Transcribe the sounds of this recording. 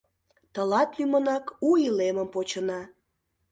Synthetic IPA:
t̪əlɑt̪lymənɑkuileməmpot͡ɕənɑ

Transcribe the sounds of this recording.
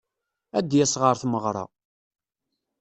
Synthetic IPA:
æd̪jæsʁəɾθməʁɾˤɑ̰

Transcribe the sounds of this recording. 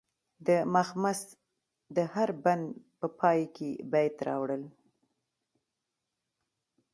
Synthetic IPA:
d̪əmaxmas | d̪əhaɾband̪pəpʰɑjkebajt̪ɾɑ̰wɽəl

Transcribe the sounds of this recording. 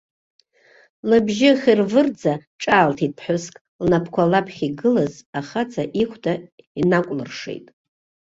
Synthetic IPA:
lɨbʒɪχʲirvɨrd͡zaʈ͡ʂʼaːltʰipʰħʷᶣʊskʼ | lnapʰkʷʰalapʰχʲiɡɨlazaχat͡sʰaʔiχʷʰdʰainakʷʼlɨrʂḛjtʼ

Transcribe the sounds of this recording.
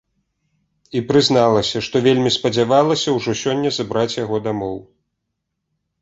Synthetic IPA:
ipɾɨznalˠɐsʲɐʂt̪ɔvʲelʲmʲispɐd͡zʲavalˠɐsʲɐwʐɔsʲɔnʲːɐzabɾat͡sʲjaɣɔd̪amɔw

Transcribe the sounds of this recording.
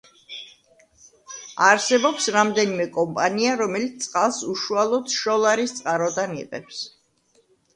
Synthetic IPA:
aɾsɛbɔpsɾamd̪ɛnimɛkʼɔmpʼaniaɾɔmɛlit̪sʼqʼalˠsuʃualˠɔd̪ʃɔlˠaɾit̪sʼqʼaɾɔd̪anḭqʼɛ̰ps

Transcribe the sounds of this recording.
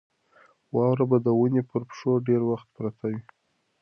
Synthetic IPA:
wɑwɾabad̪əwunepəɾpʂoɖeɾwaxt̪pɾat̪ʰawi

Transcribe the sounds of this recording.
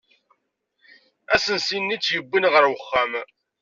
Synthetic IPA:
æsənsinːit͡sːjəbːinʁəɾwəχːam

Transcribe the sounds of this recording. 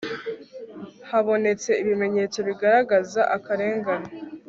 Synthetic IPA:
haβo̞ne̞t͡se̞iβime̞ɲe̞t͡so̞βiɡaɾaɡazaʔakaɾe̞ːŋɡano

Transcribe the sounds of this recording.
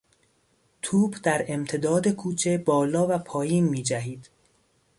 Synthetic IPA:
t̪ʰuːbd̪æɾe̞mt̪ʰe̞d̪ɒːd̪e̞kʰuːt͡ʃʰe̞bɒːlɒːvæpʰɒːjiːnmiːd͡ʒæɦiːd̪̥

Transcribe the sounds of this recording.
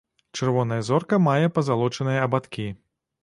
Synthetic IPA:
t͡ʂɨrvɔnɐjɐzɔrkɐmajɛpɐzalˠɔt͡ʂɐnɨjɐɐbat̪kʲi

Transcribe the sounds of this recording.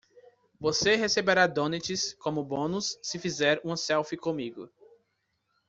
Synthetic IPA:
voseɦesebeɾad̪õnet͡ʃɪskõmʊbõnʊsːɪfizɛɾũmɐsɛwfikõmiɡʊ̰

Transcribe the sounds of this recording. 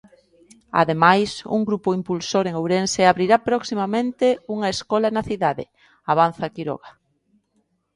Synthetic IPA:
a̰ðemajsṵŋɡɾupoimpulsoɾeŋowɾenseaβɾiɾapɾɔksimamẽnt̪euŋɐeskɔlanɐθiðaðḛ | aβ̞an̟θakiɾɔ̰ɣa

